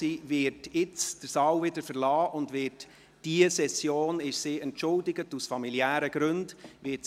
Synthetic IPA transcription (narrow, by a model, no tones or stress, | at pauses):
iːvɪɾtɪt͡sd̥əɾsɑːwvɪdəɾfəɾlɑːʔʊndʋɪt | d̥iəsɛsjoːnɪʃsiːɛntʃʊldɪɡətusfɑmiljæːɾəɡ̥ɾɵndʋɪt